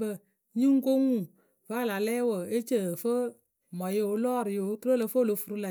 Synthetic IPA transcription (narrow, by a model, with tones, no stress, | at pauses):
bə˧ | ɲĩ˦ŋ̩˦ko˦ŋũ˦˨ | va˦a˦˨la˨lɛ˦wə˨e˦t͡ʃə˦˨fə˦ | mɔ̃˨je˦˨wo˨˦lɔː˦˨ɾi˨je˨o˦tɾo˦lə˨fo˦lo˨fu˨ɾu˦la˨